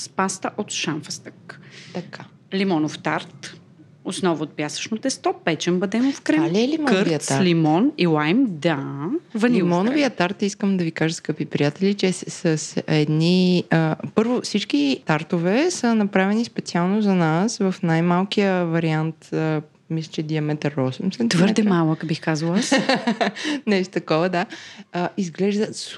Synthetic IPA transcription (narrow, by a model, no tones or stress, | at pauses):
spast̪əʔot̪ʃanfəst̪əkt̪ɐkʰa | limɔnoft̪aɾt̪ | osnɔvʊːt̪̚pʲjasvə̥ʃnot̪ɛst̪ɔpɛt͡ʃɛmbɐd̪ɛmofkɾɛmliɛlimɔkɾviəaɾlimɔnilˠajmd̪avɐnlimɔnoviət̪aɾt̪iskəmd̪ɐvikaʒəskɤpipɾijat̪ɛlit͡ʃɛsəsɛd̪niəpɤɾvofsit͡ʃkit̪aɾt̪ovɛsənɐpɾavɛnispɛt̪sialˠnozɐnasvɐfnajmalˠkijəvɐɾiant̪ə | mislɛt͡ʃɛd̪iɐmɛt̪ɛɾɔsəmsɛt̪vəɾd̪ɛmalˠəkbixkazəlˠəs | nɛʃt̪o̥t̪ɐkɔvəd̪aəizɡlɛʒd̪əs